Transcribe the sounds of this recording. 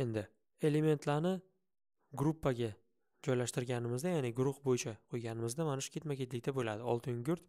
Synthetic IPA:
e̞nd̪ɪ | e̞le̞me̞nt̪ʰlaɾnɪ | ɡɾupːaɡʲa | d͡ʒɒjlaʃt̪ɪɾɡʲanɪmɪzd̪ajanɪɡʊɾʊχbojɪt͡ʃʰaqʰojɡʲanɪmɪzd̪amanɪʃkʲe̞t̪makʲet̪lɪkʲt̪abolad̪ɪɒ̰lˠt̪ʰɪŋɡʊɾt̪

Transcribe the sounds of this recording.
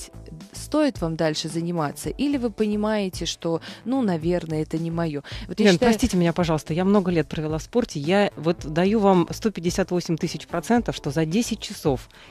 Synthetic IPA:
st̪o̞ɪt̪vamd̪alʲʂɨzənʲɪmat̪səʔilʲɪvɨpənʲɪmajɪtʲɪʂt̪o̞nunɐvʲe̞rnəɛt̪ənʲɪmɐjovot̪jʲːnɾɐsʲtʲitʲɪmɪnʲapɐʐɑlˠəst̪əjamno̞ɡəlʲet̪̚pɾəvʲɪlˠafspo̞rtʲɪjavo̞t̪d̪ɐjuvamst̪o̞pʲɪdʲɪsʲat̪vo̞sʲɪmʲt̪ɨsʲɪt͡ɕpɾɐt̪sɛnt̪əfʂt̪o̞zɐdʲesʲɪt̚ʲt͡ɕɪso̞f

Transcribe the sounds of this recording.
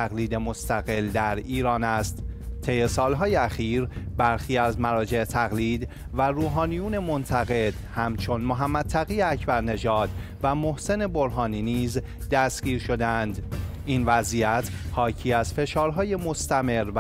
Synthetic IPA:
æɣliːd̪e̞most̪æɣe̞ld̪æɾiːɾɒːnæst̪t̪ʰːe̞jesɒːlɦɒːjeæxiːɾbæɾxiːæzmæɾɒːd͡ʒe̞et̪ʰæɣliːd̪ | væɾuːɦɒːnijuːne̞mo̞nt̪ʰæɣe̞d̪̥hæmt͡ʃʰo̞nmoɦæmːæd̪̥̚t̪ʰæɣiːeæcʰbæɾne̞ʒɒːd̪̥ | væmohse̞ne̞bo̞ɾɦɒːniːniːz | d̪æsɟ̥iːɾʃo̞d̪eænd̪ʔiːnvæzijæt̪ʰ | hɒːcʰiːæzfe̞ʃɒːɾɦɒːje̞mo̞st̪æme̞ɾv

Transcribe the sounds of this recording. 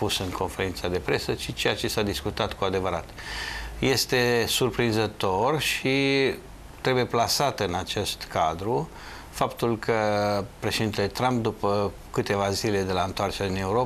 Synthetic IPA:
pusɨŋkʰo̞nfe̞ɾint̪sad̪e̞pɾe̞səʃit͡ʃe̞jat͡ʃe̞sad̪iskut̪at̪kuad̪e̞vəɾat̪je̞st̪e̞surpɾinzət̪o̞rʃi | t̪ɾe̞buje̞plasat̪ɨnat͡ʃe̞st̪kad̪ɾu | fapt̪ulkʰəpɾe̞ʃed̪int̪e̞le̞t̪ɾamp̚d̪upə | kɨt̪e̞vazile̞d̪e̞laɨnt̪oart͡ʃeine̞uɾo

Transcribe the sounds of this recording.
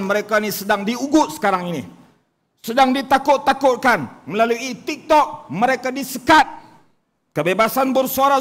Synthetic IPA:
nməɾekainisədaŋdiuɡʊt̪̚sə̥kaɾaŋinḭ | sədaŋdit̪akʊt̪ːakʊt̪̚kanməlaluit̪ik̚t̪ɔk̚məɾekadisəkat̪̚ | kəbebasanbərsuaɾa

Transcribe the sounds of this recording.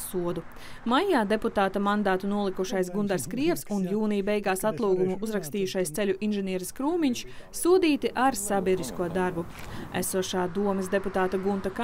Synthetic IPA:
suɔd̪u | majaːd̪e̞put̪aːt̪amand̪aːt̪unuɔlˠikuʃajs̬ɡund̪aɾskɾiɛpsunjuːnijbɛjɡaːsat̪lˠuːɡumuʔuzɾakst̪iːjuʃajst̪sɛlʲuʔinʒɛniɛɾɐskɾuːmiɲʃsuɔd̪iːt̪iʔaɾsabʲiɛd̪iskuɔd̪aɾbuæ̰suɔʃaːd̪uɔmɨsd̪e̞put̪aːt̪aɡunt̪aka

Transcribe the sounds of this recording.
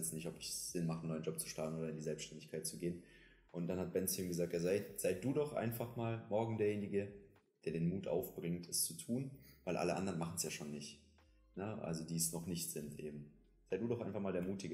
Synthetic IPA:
ɛt͡snɪçtɔpɪçz̥ɪnmaχənːɔʏnd͡ʒɔp̚t͡su̥ʃtaɐtn̩oːdɐɪndiːzɛlpsʃtɛndɪçkʰaɪt̚t͡suɡeːən | ʔʊntd̥anhat̚b̥ɛnt͡sumɡəzaːk̚tjaːzaɪz̥aɪd̥uːdɔχʔa̰ɪnfaχmaːlmɔɐɡŋ̩deːɐjeːnɪɡə | d̥eːɐdeːnmuːtʔa̰ʊfb̥ʁɪŋtʰɛst͡sutʰuːnvaɪlʔa̰ləʔa̰ndɐʁənmaχn̩sjaːʃoːnːɪçt | nəʔa̰lzodiːɛsnɔχnɪçtz̥ɪntʔḛːb̚m̩ | z̥aɪd̥uːdɔχʔaɪnfaχmaːldeːɐmuːtɪɡə

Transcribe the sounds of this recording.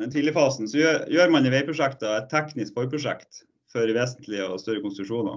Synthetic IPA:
ɛnt̪ʰiːlɪəɾfɑːsn̩sɔjøːɾjøːɾmɑnɪʋeɪpɾʊʂɛkt̪ɑɛt̪ʰːɛknɪskfɔɾpʰɾʊʂɛ̰kt̪ | fɔɾʋeːsənt̪ʰlɪɔ̰st̪œɾəkʊnst̪ɾʉʂuːnɑ̰

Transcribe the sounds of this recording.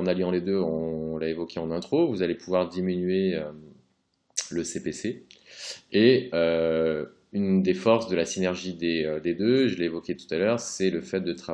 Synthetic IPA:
ɑ̃naljɑ̃led̪øɑɔ̃laevɔkʲʰeɑ̃nɛ̃t̪χovuzalepʰuvwaʁd̪iminɥeø | ləsepese | eø | ynd̪efɔʁsd̪əlasinɛʁʒid̪eød̪ed̪øʒəleːvɔkʲet̪u̥t̪alœːʁsɛləfɛt̪̚d̪ət̪χa

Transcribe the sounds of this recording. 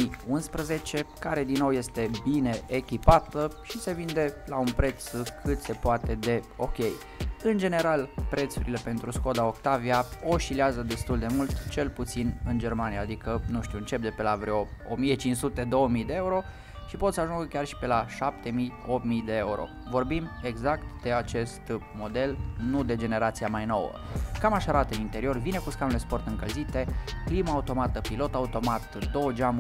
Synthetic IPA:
iunspɾəze̞t͡ʃe̞kaɾe̞d̪inːo̞wje̞st̪e̞bine̞ʔːkʲipat̪əʃise̞vind̪e̞launpɾe̞t̪skʰɨt̪se̞poat̪e̞d̪e̞ | o̞kʲe̞j | ɨnd͡ʒe̞ne̞ɾalpɾe̞t̪suɾile̞pe̞nt̪ɾusko̞d̪ao̞kt̪aviao̞ʃileazəd̪e̞st̪uld̪e̞mult̪t͡ʃe̞lput̪sinɨnd͡ʒe̞rmanijaːd̪ikənuʃt̪iuɨnt͡ʃe̞p̚d̪e̞pe̞lavɾeoo̰mije̞t͡ʃint͡ʃsut̪e̞d̪o̞wəmijd̪e̞euɾo̞ | ʃipo̞t̪səaʒuŋɡəkʲarʃi̥pe̞laʃap̚t̪e̞mijo̞pmijd̪e̞euɾo̰ | vo̞rbime̞ɡzakt̪d̪̥e̞at͡ʃe̞st̪mo̞d̪e̞lnud̪e̞d͡ʒe̞ne̞ɾat̪siamajno̞̰wə̰kamaʃaɾat̪əɨnint̪e̞ɾio̞rvine̞kuskanule̞spo̞rt̪ɨŋkəlzit̪e̞klimaːut̪o̞mat̪əpilo̞t̪aut̪o̞mat̪d̪o̞wəd͡ʒam

